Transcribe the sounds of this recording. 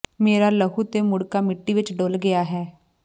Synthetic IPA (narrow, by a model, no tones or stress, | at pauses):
meːɾaːləɦuːt̪eːmʊɽkaːmɪʈːiːʋɪt͡ʃɖoːlɡɪaːɦɛː